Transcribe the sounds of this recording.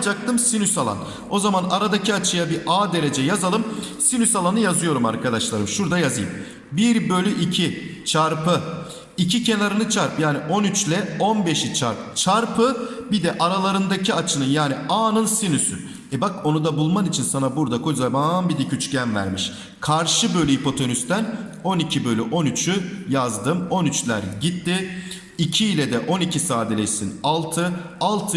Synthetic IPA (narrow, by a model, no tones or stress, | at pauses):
d͡ʒak̚t̪ʰɯmsinysalˠa̰n | o̞zamanaɾad̪aciat͡ʃʰɯjabiʔaːd̪e̞ɾe̞d͡ʒɛjazalˠɯmsinysalˠanɯjazɯjo̞ɾuma̰ɾkʰad̪aʃlˠaɾɯmʃuɾd̪ajazɯjɯ̰m | biɾbø̞lʲyʔicʰit͡ʃʰaɾpʰɯ | icʰicʰe̞naɾɯnɯt͡ʃʰaɾpjaːniʔo̞nyt͡ʃlʲɛo̞nbe̞ʃit͡ʃʰaɾpt͡ʃʰaɾpʰɯbid̪ɛʔaɾalˠaɾɯnd̪acʰiat͡ʃʰɯnɯnjaːniaːnɯnsinysy̰ | ɛbako̞nud̪abulˠmanit͡ʃʰinsanabuɾd̪akʰozabambid̪ɛcʰyt͡ʃcænvæ̰ɾmiʃ | kʰaɾʃɯbø̞jlʲɛɦipʰo̞t̪ʰo̞nyst̪æn | o̞nicʰibø̞jlʲɛʔo̞nyt͡ʃʰyjazd̪ɯmo̞nyt͡ʃlʲæɾɟit̪ːi | icʰiːlʲɛd̪ɛʔo̞nicʰisaːd̪elʲɛt͡ʃsinalˠt̪ʰɯalˠt̪ʰɯ